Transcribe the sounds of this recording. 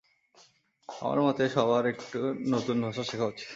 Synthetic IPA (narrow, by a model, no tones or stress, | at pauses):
a̰ma̰ɾmɔt̪eʃɔbaɾekʈunot̪unbʱaʃaʃekʰaɦot͡ɕʰi̥